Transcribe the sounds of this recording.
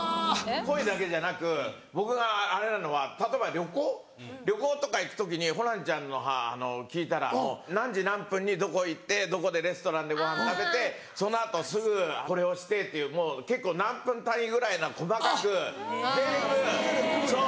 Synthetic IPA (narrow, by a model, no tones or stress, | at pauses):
ko̞id̪ake̞ʑanakɯ̟ | bo̞kɯ̟ɡaːɾe̞nano̞βat̪at̪o̞ebaɾʲjo̞koː | ɾʲo̞ko̞ːt̪o̞kaikɯ̟̥t̪o̞k̬ʲiɲ̟iɦo̞ɾãɲt͡ɕãnːo̞ɦa̰ːno̞kʲiːt̪aɾa̰moonãɲ̟d͡ʑinãmpɯ̟̃ɲ̟ːid̪o̞ko̞it̪ːe̞d̪o̞ko̞d̪e̞ɾe̞sɨ̥t̪o̞ɾãnd̪e̞ɡo̞ɦãnt̪abe̞t̪e̞ | so̞noat̪o̞sɨɡɯ̟ko̞ɾe̞o̞ɕi̥t̪e̞t̪ːe̞jɯ̟ːmo̞ːke̞kːoːnãmpɯ̟̃nt̪ãĩɡɯ̟ɾainako̞makakɯ̟t̪ekɯ̟so